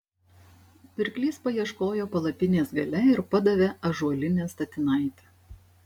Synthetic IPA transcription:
pʲɪɾʲklʲiːspɐjiɛʃkoːjoːpɐlˠɐpʲɪnʲeːsɡɐlʲɛɪɾpɐd̪ɐʋʲeɐʒuɔlʲɪnʲeːst̪ɐt̪ʲɪnɐˑɪt̪ʲe

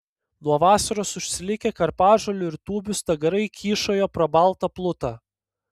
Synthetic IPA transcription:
nuɔʋɑːsɐɾoːsʊʃʲsʲɪlʲɪkʲɛkɐɾpɑːʒolʲʊɪɾt̪uːbʲʊst̪ɐɡɐɾɐɪkʲiːʃoːjoːpɾɐbɐlˠt̪ɐplˠʊt̪ɑː

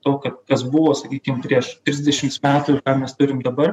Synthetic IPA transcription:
t̪oːkɐt̪kɐsbʊʋoːsɐkʲiːkʲɪmpʲɾʲiɛʃt̪ʲɾʲɪzʲd̪ʲɛʃʲɪmtsmʲæːt̪uːɪkɑːmʲɛst̪ʊɾʲɪmd̪ɐbɐr

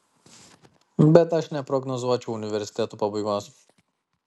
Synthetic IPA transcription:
bɛd̪aʃnɛpɾɔɡnɔzuʋat͡ʃuunivɛɾsi̥t̪ɛt̪upɔbivas

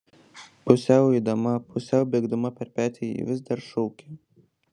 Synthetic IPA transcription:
pʊsʲɛʊɛɪd̪ɐmɐpʰʊsʲɛʊbʲeːɡd̪ʊmɐpʲɛɾpʲæːt̪ʲeːḭʋʲɪzd̪ɐɾʃɔʊkʲe

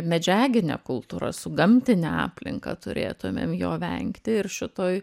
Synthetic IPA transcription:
mʲɛd͡ʒʲæːɡʲɪnʲḛːkʊlˠt̪uːɾɐ̰sʊɡɐmʲt̪ʲɪnʲeɑ̰ːpʲlʲɪ̰ŋkɐ̰t̪ʊɾʲḛːt̪ʊmʲḛːmjo̰ːʋʲɛ̰ŋkt̪ʲɪɪɾʃʲɪt̪oːj

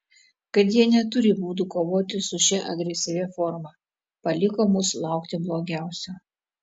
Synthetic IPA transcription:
kɐt̪jiɛnʲɛt̪ʊɾʲɪbuːd̪uːkoːʋoːt̪ʲɪsʊʃʲɛʔɐɡɾʲɛsʲɪʋʲɛːfɔɾmɑː | pɐlʲɪkoːmʊslˠɑˑʊkt̪ʲɪblˠoːɡʲæˑʊsʲɛ

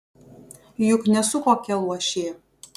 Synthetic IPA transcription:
jʊknʲɛsʊkoːkʲɛlˠuɔʃʲeː

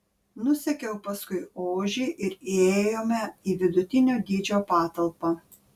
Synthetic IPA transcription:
nʊsʲɛkʲɛʊpɐskʊɪoːʒʲiːʔɪɾieeːjoːmʲɛiːʋʲɪd̪ʊt̪ʲɪnʲoːd̪ʲiːd͡ʒʲoːpɑːt̪ɐlˠpɑ

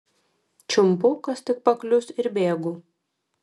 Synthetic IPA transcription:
t͡ʃʲʊmpʊkɐst̪ʲɪk̚pɐklʲʊsɪɾbʲeːɡʊ

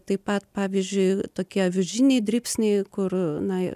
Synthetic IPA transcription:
t̪ɐɪpɐt̪pɑːʋʲiːzʲd͡ʒʲʊɪt̪oːkʲiɛʋʲʊʒʲinʲɛɪd̪ʲɾʲiːpʲsʲnʲɛɪkʊrnɐ

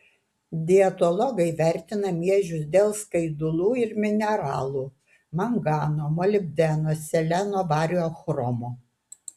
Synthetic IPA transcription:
d̪ʲɪɛt̪ɔlˠɔɡɐɪʋʲæˑɾʲt̪ʲɪnɐmʲiɛʒʲʊsd̪ʲeːlˠskɐɪd̪ʊlˠuːɪɾmʲɪnʲɛɾɑ̰ːlˠuː | mɐŋɡɑːnoːmɔlʲɪbʲd̪ʲɛnoːsʲɛlʲɛnoːʋɑːɾʲjoːxɾɔmoː

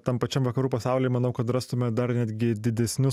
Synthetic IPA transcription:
t̪ɐmpɐt͡ʃʲɛmʋɐkɐɾuːpɐsɑʊlʲeɪmɐnɐʊkɐt̪rɑst̪ʊmʲɛd̪ɐrnʲæd̪ʲɡʲɪd̪ʲɪd̪ʲɛsʲnʲʊ

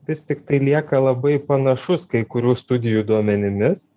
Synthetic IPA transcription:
ʋʲɪst̪ʲɪkt̪ɐɪlʲiɛkɐlˠɐbɐɪpɐnɐʃʊskɐɪkʊɾʲuːst̪ʊd̪ʲɪjud̪uɔmʲɛnʲɪmʲɪs

